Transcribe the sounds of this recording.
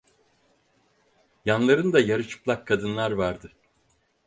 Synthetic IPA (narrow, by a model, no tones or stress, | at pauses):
janlˠaɾɯnd̪ajaɾɯt͡ʃʰɯ̥plˠakʰːad̪ɯnlˠaɾvaɾd̪ɯ